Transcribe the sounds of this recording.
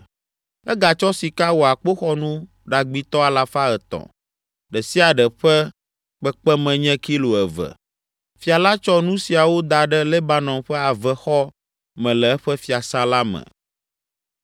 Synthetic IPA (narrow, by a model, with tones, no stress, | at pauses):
ɛ˦ɡa˨t͡ʃɔ˦si˨ka˦wo˨a˨k͡po˦xɔ˦nũ˦ | ɖa˨ɡ͡bi˦t̪ɔ˦a˨la˨fa˦ɛ˨t̪ɔ̰̃˨ | ɖɛ˨si˦a˨ɖɛ˨ɸɛ˦ | k͡pɛ˦k͡pɛ˦mɛ̃˨ɲɛ̃˦ki˦lo˨ɛ˨və̰˨ | fi˨a˨la˦t͡ʃɔ˦nũ˦si˨a˨wo˦d̪a˨ɖɛ˦le˦ba˦nɔ̃˨mɸɛ˦a˨vɛ˨xɔ˦ | mɛ̃˨lɛ˨ɛ˦ɸɛ˦fi˨a˨sa˦la˦mɛ̰̃˨